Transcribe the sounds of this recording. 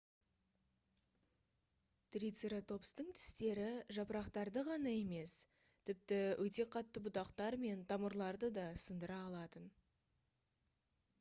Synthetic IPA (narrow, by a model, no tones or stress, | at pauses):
t̪rʲijt̪seɾat̪ʰo̞pst̪əɴt̪ʰɪ̥st̪e̞ɾɪʒɑpəɾɑqt̪ɑɾd̪əʁɑnɑe̞me̞s | t̪ʰɪp̚t̪ɪwʔɵt̪e̞qʰɑt̪ːəbʊt̪ɑqt̪ɑɾme̞nt̪ʰɑməɾlˠɑɾd̪əd̪ɑsənd̪əɾɑːlˠɑt̪ən